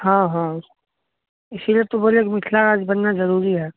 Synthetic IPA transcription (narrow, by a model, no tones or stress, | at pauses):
ɦãːɦã | ɪsiliet̪oboːlekimɪt̪ʰlaɾaːd͡ʒbɐnːazɐɾuːɾiɦɛː